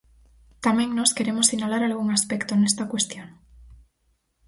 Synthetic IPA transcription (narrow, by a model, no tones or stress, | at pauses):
t̪amẽŋno̞ske̞ɾemosinalaɾalɣ̞uŋaspekt̪onest̪akwe̞st̪joŋ